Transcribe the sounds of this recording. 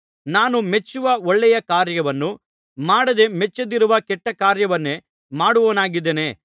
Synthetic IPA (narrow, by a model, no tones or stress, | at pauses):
naːnumet͡ʃːuʋɐɔɭːɛjɐkaːɾjɐʋɐnːu | maːɽɐd̪e̞mɛt͡ʃːɐd̪iɾuʋɐkɛʈːɐkaːɾjɐʋɐnːe | maːɽuʋoːnaːɡid̪ːene̞